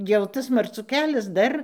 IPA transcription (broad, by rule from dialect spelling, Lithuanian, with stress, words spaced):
jɛʊ ˈtɐs mɐrˈt͡suː ˈkʲæːlʲɛs ˈdɐr